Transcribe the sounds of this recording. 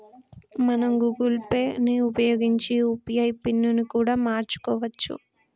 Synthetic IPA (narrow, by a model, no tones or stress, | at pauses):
mɐnɐmɡuɡulpe̞ːniupɐjoːɡiɲt͡ʃiupijɐjpinːunikuːɽaːmaːɾt͡ʃu̥kɔːʋɐt͡ʃːṵ